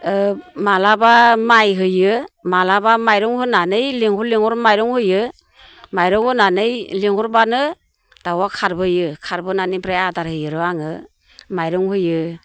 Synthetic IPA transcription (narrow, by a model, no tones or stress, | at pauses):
ɯmalabamajɦɯjɯmalabamajɾɔŋhɯnanɯjliŋhɔliŋɔɾmajɾɔŋhɯjɯ | majɾɔŋhɯnanɯjliŋɔɾbanɯ | d̥awakʰaɾbɯjɯkʰaɾbɯnanibɾajadaɾhɯjɯɾɯaŋɯ | majɾɔŋhɯjɯ